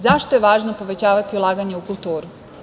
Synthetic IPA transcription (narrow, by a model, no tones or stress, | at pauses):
zaʃt̪o̞jeʋaːʒnopo̞ʋe̞t͡ɕaːʋat̪iulˠaːɡaɲeukulˠt̪uːɾu